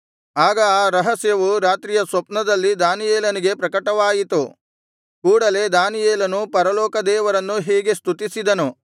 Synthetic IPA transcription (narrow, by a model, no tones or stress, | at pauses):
aːɡɐaːɾɐɦɐsjɐʋuɾaːt̪ɾijɐsʋɐpnɐd̪ɐlːid̪aːnijɛːlɐniɡe̞pɾɐkɐʈɐʋaːjit̪u | kuːɽɐle̞d̪aːnijeːlɐnupɐɾɐlɔːkɐd̪ɛːʋɐɾɐnːuɦɛːɡe̞st̪ut̪isid̪ɐnu